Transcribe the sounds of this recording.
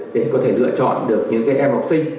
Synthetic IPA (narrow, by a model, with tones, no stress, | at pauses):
ɗe˧˩kɔ˨˦t̪ʰe˧˩lɨ̰˧˨ət͡ɕɔ̰˧˨nɗɨ˨˩ək̚ɲɨ̰˧˥ŋkaː˨˦jʔɛ˧mha˨˩wk͡p̚sï˧ŋ̟